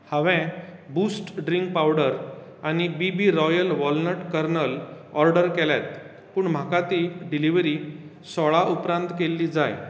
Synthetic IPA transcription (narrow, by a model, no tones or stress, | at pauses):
həʋɛ̃busʈɖɾiŋkpawɽəɾ | anibibiɾɔjəlʋɔlnəʈkəɾnəl | ɔɾɖəɾkɛlat̪ | puːɳm̤akat̪iɖiliʋɾi | sɔɭaʔupɾãnt̪kelːid͡zaj